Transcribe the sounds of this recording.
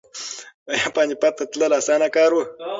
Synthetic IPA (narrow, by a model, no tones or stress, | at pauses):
jaːpaːnipat̪ːɐt̪ləlaːsaːnakaːɾwə